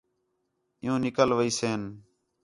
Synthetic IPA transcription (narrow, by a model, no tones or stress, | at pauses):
ɪjũːnɪkəlʋəiːseːn